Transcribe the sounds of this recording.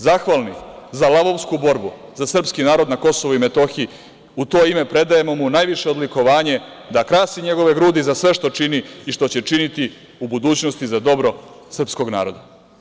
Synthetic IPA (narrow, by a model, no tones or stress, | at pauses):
zaxʋalnizalˠaβo̞ʋskubo̞ɾbu | zasr̩pskinaːɾo̞d̪nako̞so̞ʋoime̞t̪o̞xii | ut̪o̞ːime̞pɾe̞d̪aje̞mo̞munajʋiʃe̞od̪liko̞ʋaːɲe̞ | d̪akɾaːsiɲe̞ɡo̞ʋe̞ɡɾuːd̪izasʋe̞ʃt̪o̞t͡ʃiniːʃt̪o̞t͡ɕe̞t͡ʃinit̪i | ubud̪uːt͡ɕno̞st̪izad̪o̞bɾo̞sr̩psko̞ɡna̰ːɾo̞d̪a